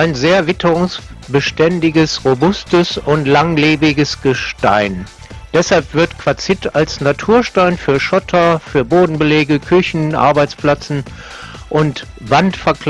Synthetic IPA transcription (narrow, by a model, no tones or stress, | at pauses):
ʔaɪnzeːɐvɪtʰəʁʊŋsb̥əʃtɛndɪɡəsʁobʊstəsʊntlaŋleːbɪɡəsɡ̥əʃta̰ɪn | d̥ɛshalpv̥ɪɐtkv̥at͡sɪtalsnatʰuːɐʃtaɪnfyːɐʃɔtʰɐfyːɐboːdn̩bəleːɡəkʰʏçn̩ʔa̰ɐbaɪt͡spl̥at͡sn̩ | ʔʊnt | vantfɛɐkl